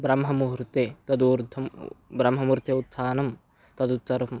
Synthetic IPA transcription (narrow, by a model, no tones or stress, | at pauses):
bɾɐmɦɐmuɾt̪et̪ɐd̪uːɾd̪ʱɐmbɾɐmɦɐmuɾt̪ʰeut̪sʰaːnɐm | t̪ɐd̪ut̪sɐɾɐm